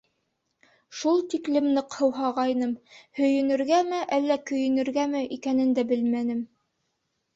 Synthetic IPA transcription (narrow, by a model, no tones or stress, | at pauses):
ʃulˠt̪iklɘ̆mnɤqhɤ̆wɦɑʁɑjnɤmhɵ̆jɵ̆nɵ̆ɾɡæmɘʔælːækɵ̆jɵ̆nɵ̆ɾɡæmɘʔikænɘ̆nd̪æbɘlmænɘm